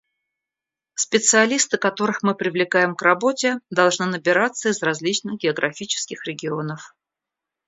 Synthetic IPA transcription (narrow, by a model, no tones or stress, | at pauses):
spʲɪt̪sɨɐlʲist̪ɨkɐt̪o̞ɾɨxmɨpɾʲɪvlʲɪkajɪmkrɐbo̞tʲɪd̪ɐlˠʐnɨnəbʲɪɾat̪sːəɪzrɐzʲlʲit͡ɕnɨxɡʲɪəɡɾʔɐfʲit͡ɕɪ̥skʲɪxɾʲɪɡʲɪo̞nəf